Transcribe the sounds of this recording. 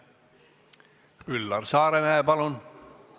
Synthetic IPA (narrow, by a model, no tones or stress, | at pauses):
kylːɑrsɑːɾemæːpɑlon